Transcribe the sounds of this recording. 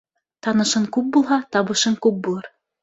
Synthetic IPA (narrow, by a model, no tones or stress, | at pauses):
t̪ɑnɤ̆ʃɤŋkʉp̚bulˠɦɑt̪ɑβɤ̆ʃɤŋkʉp̚bulˠɤɾ